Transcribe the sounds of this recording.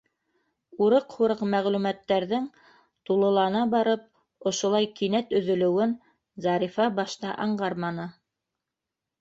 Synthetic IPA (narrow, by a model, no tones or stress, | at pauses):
uɾɤqhuɾɤqmæʁlʉmæt̪ːæɾðɘŋ | t̪ulˠɤ̆lˠɑnɑbɑɾɤp̚ | ŏʃŏlˠɑjkinæt̪ɵ̆ðɵ̆lɘ̆wɘn | zɑɾifɑbɑʃt̪ɑʔɑɴɢɑɾmɑnɤ